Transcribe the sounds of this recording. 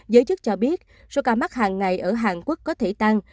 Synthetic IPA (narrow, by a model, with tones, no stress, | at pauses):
zəː˨˦jt͡ɕɨ˦˥k̚t͡ɕɔ˧ɓi˦˥ət̚ | so˧wkaː˧˩ma˦˥k̚haː˨˩ŋːa˨˩jʔəː˧˩ɦaː˨˩ŋku˦˥kːɔ˨˦t̪ʰe˧˩t̪a˧ŋ